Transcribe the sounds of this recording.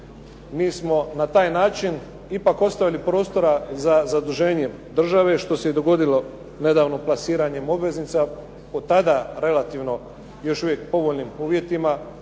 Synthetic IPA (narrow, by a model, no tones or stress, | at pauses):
miːsmo̞nat̪aːjnaːt͡ʃin | ipako̞st̪aʋilipɾo̞ːst̪o̞ɾazazad̪uʒe̞ːɲe̞d̪r̩ʒaʋe̞ʃt̪o̞sejed̪o̞ɡo̞d̪ilo̞ | ne̞d̪aːʋnoplasiːɾaɲe̞mo̞bʋe̞znit̪sa | po̞t̪ad̪aɾe̞lat̪iːʋno̞ | jo̞ʃuʋjek̚po̞ʋo̞ʎnimuːʋjet̪ima